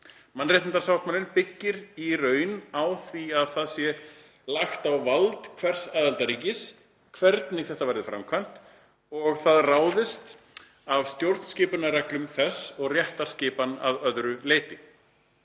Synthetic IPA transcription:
manreht̪ɪnt̪aɾsawht̪maːlɪnpɪcːɪɾirœːɥnawθviaðθaðsjɛ | laxt̪awvalt̪kʰvɛr̥saːðalt̪aɾiːcɪs | kʰvɛɾt̪nɪɣθɛht̪avɛɾðɪfɾa̰mkʰvan̥t̪ | ɔɣθaðraːwðɪst̪ | av̥st̪jowɾt̪nscɪːpʏnaɾɛklʏmθɛsːɔɣrjɛht̪ḁscɪːpana̰ðœðɾʏleːjt̪ɪ

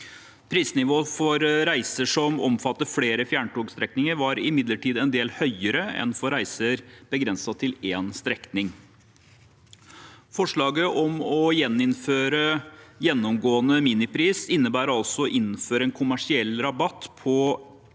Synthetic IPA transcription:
pʰɾiːsnɪʋoːfɔɾɾæɪsəʂɔmɔ̰mfɑt̪ːəfleːɾəfjæːɳʈuːɡst̪ɾɛknɪŋəɾʋɑɾɪmɪd̪ləʈʰiːd̪ɛnd̪eːlhœʏəɾəɛ̰nfɔɾæɪsəɾb̥əɡɾɛnsɑt̪ʰɪleːnst̪ɾɛknɪŋ | fɔʂɭɑːɡəʔɔmɔjɛnːɪnføːɾəjɛnːɔmɡoːənəmiːnɪpʰɾiːsɪnːəbæːɾɑlsɔɔʔɪnːføːɾəɛnkʰʊmæʂɪɛlːɾɑbɑt̪ːpʰɔ

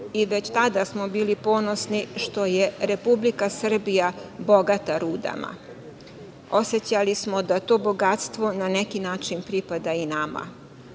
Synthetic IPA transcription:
iʋet͡ɕt̪ad̪asmo̞biːlipo̞ːno̞sniʃt̪o̞jeɾe̞publikasr̩bijabo̞ɡat̪aɾuːd̪a̰ma̰ | o̞set͡ɕalismod̪at̪o̞ːbo̞ɡat̪st̪ʋo̞nanekinaːt͡ʃinpɾipad̪ainama̰

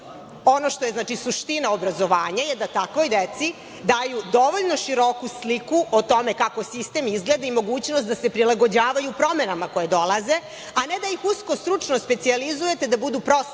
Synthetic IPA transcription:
o̞no̞ʃt̪oje̞znaːt͡ʃisuʃt̪inaobɾazo̞ʋaːɲajed̪at̪akʋo̞jd̪et̪si | d̪aːjud̪o̞ʋo̞ʎno̞ʃiɾo̞kuslikuʔot̪o̞me̞kako̞sist̪emizɡle̞d̪aimo̞ɡuːt͡ɕnost̪d̪asepɾilaɡo̞d͡ʑaːʋajupɾo̞menamako̞jed̪o̞lˠaze̞ | aned̪ajixuskost̪ɾut͡ʂnospe̞t̪sializuje̞t̪ed̪abud̪upɾo̞s

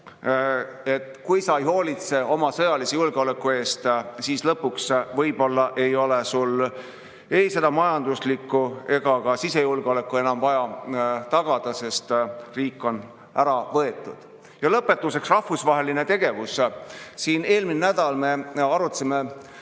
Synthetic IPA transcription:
et̪ːˑkujsɑejho̞ːlit̪se̞o̞mɑsɤ̞jɑlisejulɡ̥eo̞le̞kːˑue̞ːst̪siːslɤpːuksvɤjb̥o̞lːɑʔe̞jo̞le̞sul | e̞jse̞d̪ɑmɑjɑnd̪uslikːue̞ɡ̥ɑkɑsise̞julɡ̥eo̞le̞kːˑue̞nɑmvɑjɑt̪ɑɡ̥ɑd̪̥ɑse̞st̪riːkːˑo̞n | æɾɑvɤe̞t̪ːˑṵd̪̥ | jɑlɤpːˑe̞t̪ːˑuse̞ksrɑhːusvɑɦe̞line̞t̪e̞ɡ̥e̞vussiːne̞ːlminenæd̪̥ɑlme̞ɑɾut̪ːsime̞

